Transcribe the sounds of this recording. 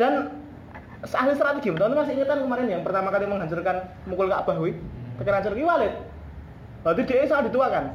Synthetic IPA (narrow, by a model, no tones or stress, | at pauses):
d̥a̤n | səahlist̪ɾat̪eɡ̥imət̪ɔnt̪umasiiŋət̪ankəmaɾɛnjaŋpərt̪amakaliməŋɦaɲt͡ʃʊrkan | mukʊlkaʔb̥a̤ɦwit̪əkəɾaɲt͡ʃʊrkiwalɪt̪̚ | lad̪id̪̥e̤ʔesaŋad̪i̤t̪uwakan